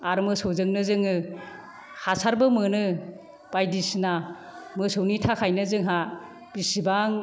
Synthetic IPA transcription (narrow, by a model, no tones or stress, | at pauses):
aɾmɯsowzɯŋnɯzɯŋɯ | hasaɾbɯmɯnɯ | b̥ajdisna | mɯsownitʰakʰajnɯzɯŋɦa | pisibaŋ